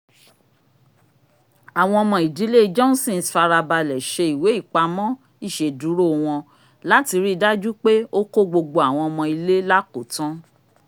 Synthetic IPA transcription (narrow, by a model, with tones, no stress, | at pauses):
a˨w̃ɔ̃˧ɔ˧mɔ̃˧i˨di˨˦le˦d͡ʒɔ˦n˦sĩ˦˨sfa˧ɾa˧ba˧lɛ˨ʃe˧i˨we˨˦i˦˨k͡pa˧mɔ̃˦ | i˦˨ʃe˨du˨˦ɾo˦˨˧w̃ɔ̃˧ | la˦ti˧ɾi˦˧da˦d͡ʒu˦k͡pe˦o˦ko˦ɡ͡bo˧ɡ͡bo˧a˨w̃ɔ̃˧ɔ˧mɔ̃˧i˧le˦la˦ko˨tɔ̃˦